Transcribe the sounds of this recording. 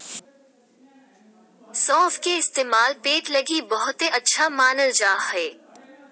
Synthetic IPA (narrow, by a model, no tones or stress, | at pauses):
sɔ̃ːfkeɪst̪eːmaːlpeːʈlɐɡibɐɦʊt̪eɐtːʃʰamaːnəld͡ʒaːheː